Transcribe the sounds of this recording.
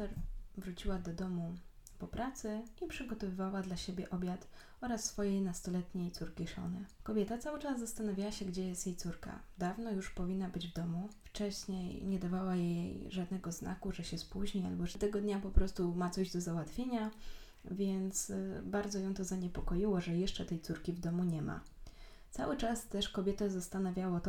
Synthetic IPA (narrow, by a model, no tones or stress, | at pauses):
t̪ɛɾvɾut͡ɕiwad̪ɔd̪ɔmupɔpɾat̪sɘipʂɘɡɔt̪ɔvɘvawad̪laɕebʲjɛʔɔbʲjat̪ | ɔɾasːfɔjejnast̪ɔlɛt̪ɲejt̪suɾkʲiʂɔ̰nɘkɔbʲjɛt̪at̪sawɘt͡ʂazzast̪anavʲjawaɕɛɡd͡ʑɛjɛst̪jejt̪suɾka̰ | d̪avnɔjuʂpɔvʲinːabɘd͡ʑvd̪ɔmuft͡ʂɛɕɲejɲɛd̪avawajejʐad̪nɛɡɔznʔa̰kuʐɛɕɛspuʑɲia̰lbɔʐɛt̪ɛɡɔd̪ɲapɔpɾɔst̪umat̪sɔʑd̪ɔzawat̪fʲjeɲa | vʲjɛnt̪sbaɾd̪zɔjɛ̃w̃t̪ɔzaɲɛpɔkɔjiwɔʐɛjɛʂt͡ʂɛt̪ɛjt̪suɾkʲivd̪ɔmuɲɛma̰ | t̪sa̰wɘt͡ʂast̪ɛʂkɔbʲjɛt̪ɛzast̪anavʲjawɔt̪